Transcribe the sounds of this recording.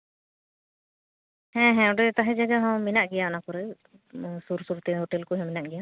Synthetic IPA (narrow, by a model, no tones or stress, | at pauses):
hɛ̃ɦɛ̃ɔ̃ɖɛt̪aɦɛd͡ʒaɡaɦãwminaʔɡijaʔnakɔɾɛ | suɾsuɾt̪ɛɦɔʈelkuɦɛ̃minaʔɡija